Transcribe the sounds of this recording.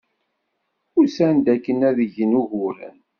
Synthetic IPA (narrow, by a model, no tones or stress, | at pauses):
ʊɾsænd̪ækːənæðəʝənuʝʊɾæ̰n